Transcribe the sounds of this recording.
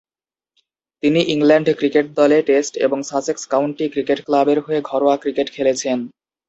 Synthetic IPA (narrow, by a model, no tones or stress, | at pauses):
t̪iniʔiŋlɛɳɖkɾikeʈ̚d̪ɔleʈesʈḛboŋsasekskawɳʈikɾikeʈklabeɾɦoeɡʱɔɾoakɾikeʈkʰelet͡ɕʰen